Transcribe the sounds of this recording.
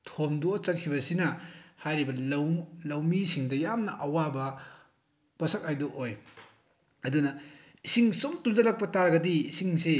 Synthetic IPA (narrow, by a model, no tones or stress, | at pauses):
tʰomdot͡ʃɐt̚kʰibɐsinɐhajɾibɐlɐwlɐwmisiŋdɐjamnɐʔɐwabɐ | pɐsɐk̚hajdoʔoj | ɐdunɐ | isiŋsomtunzɐlɐk̚pɐtaɾɐɡɐdiːsiŋse